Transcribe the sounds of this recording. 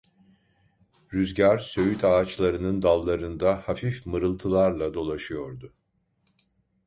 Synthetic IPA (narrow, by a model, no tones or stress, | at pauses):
ɾyzɟaɾsø̞jyt̪ʰaːt͡ʃlˠaɾɯnɯnd̪alˠːaɾɯnd̪ahafifmɯɾɯlˠt̪ʰɯlˠaɾlˠad̪o̞lˠaʃɯjo̞ɾd̪ʊ